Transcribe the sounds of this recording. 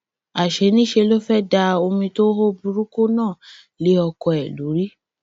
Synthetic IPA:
a˨ʃe˨˦nĩ˦ʃe˧lo˦fɛ˦da˧o˧mĩ˧to˦ɦo˦bu˧ɾu˦ko˦nãː˦˨ | le˨˦ɔ˧kɔ˧ɛ˨lu˨˦ɾi˦

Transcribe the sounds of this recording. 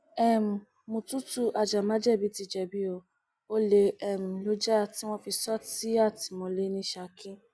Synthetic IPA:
ɛ˦˨m̩˨ | mũ˨˧tu˦tu˦ʔa˧d͡ʒa˨mã˦d͡ʒɛ˦˨bi˨˦ti˦˨d͡ʒɛ˨bi˦o˧ | o˦le˧ɛ˦˨m̩˨lo˨˦d͡ʒa˦a˨ti˦w̃ɔ̃˦fi˧sɔ˦ti˦a˦˨ti˨mɔ̃˨˧le˦nĩ˦ʃa˧˨kĩ˦

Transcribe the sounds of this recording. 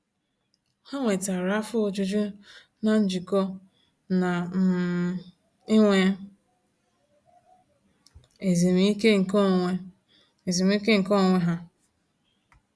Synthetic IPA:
ha˦ŋʷe˨ta˨ɾa˦fʊ˦o˨d͡ʒu˦d͡ʒu˦ | na˨n̩˦d͡ʒi˨kɔ˦ | na˨m̩˨ | i˦ŋʷe˦ | e˨ze˨m˦i˦ke˦ŋ̩˨ko˦˨ŋʷe˦ | e˨ze˨m˦i˦ke˦ŋ̩˨kɔ˦˨ŋʷe˦ɦa˦

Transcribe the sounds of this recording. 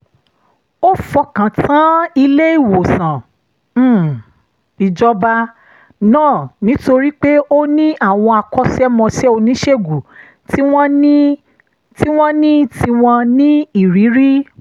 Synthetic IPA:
o˦fɔ˧kã˨tã˨˦i˧le˦i˦˨wo˨sã˨˦˨ | i˨d͡ʒɔ˧ba˧ | nãː˦˨nĩ˨˦to˧ɾi˦k͡pe˦o˦nĩ˦a˦˨w̃ɔ̃˧a˧kɔ˦sɛ˦mɔ̃˧sɛ˦o˧nĩ˦ʃe˦˨ɡu˨ | tw̃ | ti˦w̃ɔ̃˦nĩ˦ti˧w̃ɔ̃˧nĩ˦i˦˨ɾi˨˦ɾi˦

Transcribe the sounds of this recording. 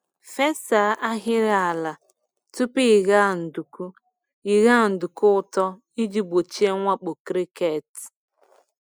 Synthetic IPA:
fe˦sa˨˦ʔa˦ɦɪ˦ɾa˨a˨la˨ | tu˦pi˦˨ɣa˦˨n̩˨du˨ku˦ | i˨ɣa˦˨n̩˨du˨kʊ˦ʊ˦tɔ˦ | i˦d͡ʒi˦ɡ͡bo˨t͡ʃi˦e˦ŋʷa˦k͡pʊ˨kɾi˦ke˨t

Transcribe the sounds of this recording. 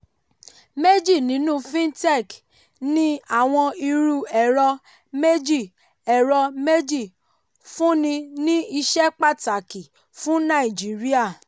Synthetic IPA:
me˦d͡ʒi˦˨nĩ˨˦nũ˦fĩ˦n˦tɛ˦˨k | nĩ˦a˦˨w̃ɔ̃˧i˧ɾu˦˨ɛ˨ɾɔ˧ | me˦d͡ʒi˦˨ | ɛ˨ɾɔ˧me˦d͡ʒi˦˨ | fũ˦nĩ˧nĩ˦i˧ʃɛ˦k͡pa˦˨ta˨ki˨ | fũ˦nã˦˨i˨d͡ʒi˨˦ɾi˦a˦˨

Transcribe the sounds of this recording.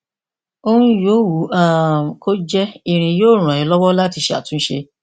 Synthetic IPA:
o˦hũ˦jo˨˦wu˨˦a˦˨ko˦d͡ʒɛ˦i˨ɾ̃ĩ˨joː˦˨ɾ̃ã˨i˨˦lɔ˦wɔ˦la˦ti˧ʃe˦a̰˨tũ˦ʃḛ˧

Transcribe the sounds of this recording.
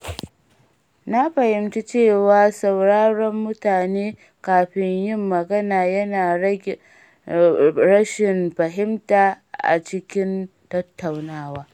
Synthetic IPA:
na˦ɸɐ˨hɪ˨mti˦t͡ʃeː˦˨waː˦sa˨wɽaː˦ɽɔ˦mːʊ˦taː˨neː˦ | kaː˨ɸɪ˦ɲjɪ˦mːɐ˨ɡɐ˦naː˨jɐ˦naː˨ | ɾɐ˦ʃɪ˨mɸɐ˨ɦɪ˦mtaː˨ | ʔa̰˨t͡ʃɪ˦kʲɪ˦ntɐ˦tːa˨wnaː˦waː˦

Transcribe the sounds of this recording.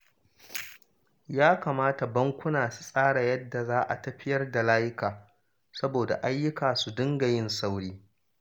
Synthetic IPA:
jaː˦kaː˨maː˦ta˨bɐ˦ŋkʷʊ˦naː˨su̥˨sʼaː˦ɽa˨jɐ˦dːa˨zaː˦ʔa̰˨tɐ˦ɸɪ˦jɐ˦rda˨laː˦jɪ˦kaː˨ | sɐ˦boː˨da̰˨ʔa˦jːʊ˦kaː˨su˨dʊ˦ŋɡa˨jɪ˦nsa˦wɽiː˦

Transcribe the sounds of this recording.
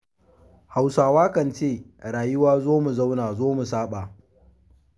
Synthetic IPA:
ha˨wsaː˨waː˦kɐ˨nt͡ʃeː˦˨ɾaː˨jʊ˦waː˦zoː˦mu˨za˦wnaː˨zoː˦mu˨saː˦ɓaː˨

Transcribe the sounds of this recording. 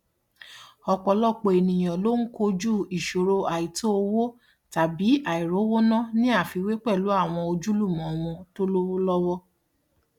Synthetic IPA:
ɔ˧k͡pɔ˧lɔ˦˨k͡po˧e˨nĩ˨j̃ã˨lo˦ŋ̩˦ko˦d͡ʒu˦˨i˨ʃo˨ɾo˧a˨i˨to˦o˧wo˦ | ta˨bi˨˦a˨i˨ɾo˨˦wo˦nã˦nĩ˦a˦˨fi˧we˦k͡pɛ˦˨lu˨˦a˦˨w̃ɔ̃˧o˧d͡ʒu˦lu˦˨mɔ̃˨˦ɔ˧mɔ̃˧to˦lo˦wo˦lɔ˦wɔ˦

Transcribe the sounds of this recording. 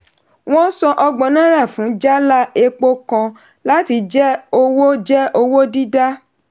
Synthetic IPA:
w̃ɔ̃˦sɔ̃˧ʔɔ˧ɡ͡bɔ̃˨nã˦ɾa˦˨fũ˨˦d͡ʒa˦la˦e˧k͡po˦kã˧ | la˦ti˧˦d͡ʒɛ˦o˧wo˦d͡ʒɛ˦o˧wo˦di˦da˦

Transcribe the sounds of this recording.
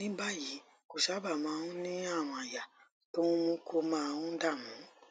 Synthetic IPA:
nĩ˦ba˦˨ji˨˦ | ko˨ʃa˨˦ba˦˨mãː˨˦˧ũ˦nĩ˦a˦˨w̃ɔ̃˨a˨ja˨ | to˦ũ˦mũ˦kʰo˧mãː˦˧wũ˦da˦˨mũ˨˦

